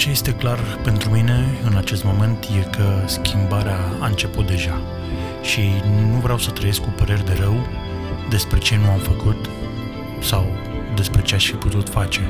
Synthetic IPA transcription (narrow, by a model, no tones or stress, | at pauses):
t͡ʃeje̞st̪e̞klarpe̞nt̪ɾumine̞ɨnat͡ʃe̞st̪mo̞me̞nt̪je̞kəskʲʰimbaɾeaːɨnt͡ʃe̞put̪̚d̪e̞ʒa | ʃinuvɾeawsət̪ɾəje̞skupəɾe̞rd̪e̞ɾəw | d̪e̞spɾe̞t͡ʃe̞nuamfəkut̪ | saw | d̪e̞spɾe̞t͡ʃe̞aʃfiput̪ut̪fat͡ʃe̞